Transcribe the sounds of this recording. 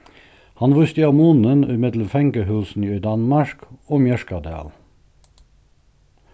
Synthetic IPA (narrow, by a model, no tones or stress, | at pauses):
hɑnʋʉst̪əɑmunənɪmɪd̪ləmfɛŋkəhʉːsn̩ːd̪ɑnmɑʃkoːmjɛʃkɑd̪eɑ̰l